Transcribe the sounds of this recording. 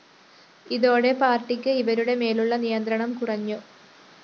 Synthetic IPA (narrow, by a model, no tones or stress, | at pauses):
iðo̞ːɽe̞paːrʈːikʲːɨiʋɐɾuɽe̞me̞ːluɭːɐnijɐnd̪ɾɐɳɐmkurɐɲːu